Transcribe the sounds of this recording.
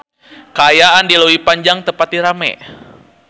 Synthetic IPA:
kaːjaʔandilowipaɲd͡ʒaŋt̪əpat̪̚diɾamɛ̰

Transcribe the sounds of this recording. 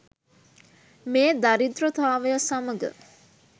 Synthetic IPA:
meːd̪aɾid̪rot̪aːʋəjasaməɡə̰

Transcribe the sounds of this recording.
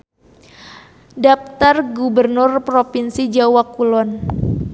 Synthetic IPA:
dap̚t̪arɡubərnʊrpɾofinsid͡ʒawakulɔn

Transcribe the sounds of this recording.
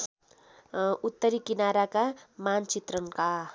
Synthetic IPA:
ut̪ːʌɾikinaɾakamant͡sit̪rʌŋka

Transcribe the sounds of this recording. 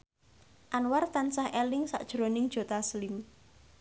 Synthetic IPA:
ʔanwart̪ansahʔɛlɪŋsa̰ʔd̥ʒ̥ɾonɪŋd̥ʒ̥o̤t̪aslɪm

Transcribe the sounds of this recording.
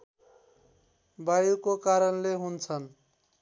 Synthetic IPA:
bajukokaɾʌnleɦunt͡sʰʌn

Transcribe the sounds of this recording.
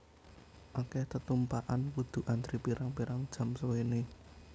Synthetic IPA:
ʔokɛht̪ət̪umpaʔanwud̪̥ṳʔant̪ɾipiɾaŋpiɾaŋd̥ʒ̥ä̤msəwene

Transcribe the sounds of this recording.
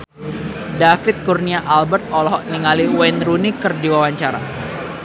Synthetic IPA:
dafɪt̪̚kurniaʔalbərt̪̚ɔlɔɦɔʔniŋaliwɛnɾunikɨrdiwawaɲt͡ʃaɾa̰

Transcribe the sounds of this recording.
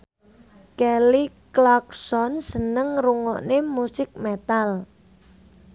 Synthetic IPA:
kɛliklɔk̚sɔnsənəŋruŋɔʔnemusɪk̚met̪al

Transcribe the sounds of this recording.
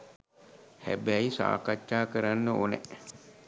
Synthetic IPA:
hæ̰bæisa̰ːkat͡ʃːaːkəɾanːəonɛ̰

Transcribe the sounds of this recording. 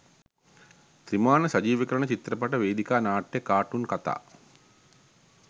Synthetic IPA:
t̪ɾimaːnəsɐd͡ʒiːʋəkəɾəɳət͡ʃit̪ɾɐpaʈəʋeːd̪ikaːnaːʈjekaːʈunkat̪a̰ː

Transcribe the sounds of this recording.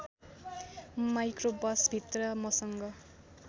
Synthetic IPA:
majkrobʌsbʱit̪rʌmʌsʌŋɡʌ

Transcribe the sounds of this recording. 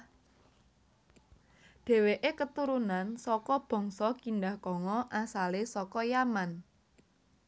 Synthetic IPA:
ɖ̥e̤weʔekət̪uɾunansɔkɔb̥ɔ̤ŋsɔkinɖahkɔŋɔʔasalesɔkɔjaman

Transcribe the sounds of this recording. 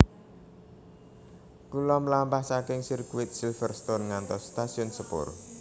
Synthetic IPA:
kulɔməlampahsakɛŋsirkuwɪt̪̚silfərst̪onŋant̪ɔsːt̪asiɔnsəpo̰r̰

